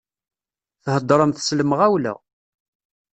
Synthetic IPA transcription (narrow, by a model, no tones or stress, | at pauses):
θhəd̪ˤːɾˤəmθsləməʁæwlæ̰